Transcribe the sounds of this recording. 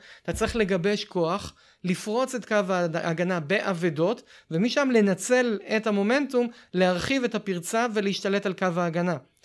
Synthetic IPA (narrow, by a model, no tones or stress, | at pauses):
t̪at͡sʁiχle̞ɡabeʃko̞aχ | lifʁo̞t͡se̞tkavaʔaɡanabeʔavedo̞tvemiʃamle̞nat͡se̞lethamo̞me̞ntumleaʁχivetapiʁt͡save̞leiʃtale̞talkavaːɡana